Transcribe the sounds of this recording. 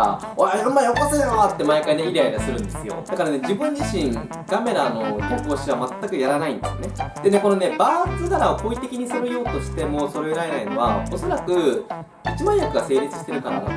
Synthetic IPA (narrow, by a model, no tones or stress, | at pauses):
oaõmːaiokasenaβat̪ːe̞maikaine̞iɾʲeaid̪asɨɾɯ̟̃nd̪e̞sɨjo̞̰d̪̥akaɾane̞d͡ʑibɯ̟̃ɲ̟d͡ʑiɕĩŋ | ɡ̥ame̞ɾano̞kokoːɕiβamat̪ːakɯ̟jaɾanaĩnd̪esɨjoned̪̥e̞ne̞ko̞no̞ne̞baːt͡sɨnaɾaopoit̪ekʲiɲ̟isoɾɯjoːt̪o̞ɕi̥t̪e̞mo̞so̞ɾeɯɾae̞naino̞βa̰o̞so̞ɾakɯ̟ | it͡ɕibãɰ̃jakɯ̟ɡase̞ːɾʲit͡sɨ̥ɕi̥t̪e̞ɾɯ̟kaɾa̰no̰